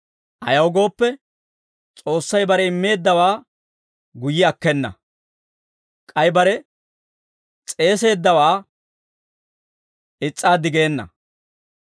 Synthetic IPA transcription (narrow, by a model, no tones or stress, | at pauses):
ʔɐ̰jɐwʊɡo̞ːpːɛ | t͡sʼo̞ːsːɐjbɐɾɛɪmːe̞ːd̪ːɐwaː | ɡʊjɪɐkːɛnːɐ̰ | kʼɐjbɐɾɛ | t͡sʼe̞ːse̞ːd̪ːɐwaː | ʔɪt͡sʼːaːd̪ɪɡe̞ːnːɐ̰